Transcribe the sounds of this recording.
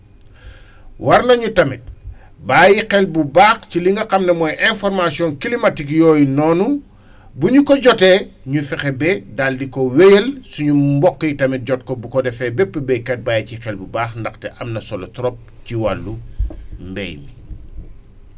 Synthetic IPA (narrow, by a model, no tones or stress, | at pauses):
wɐrnɐɲutɐmit̚ | baːjiqɛlbubaːxciliŋɡɐqɐmnɛmɔːjʔɛnfɔrmasiɔnkilimɐtikjɔːjnɔːnu | buɲukɔɟɔtɛːɲufɛxɛbɛdaːldikɔwɛjəlsuɲumbɔkːjitɐmit̚ɟɔt̚kɔbukɔdɛfɛbɛpːəbɛjkɛt̚baːjicixɛlbubaːxndɐxtɛʔɐmnɐsɔlɔtɾɔp̚ciwalːumbɛ̰jmi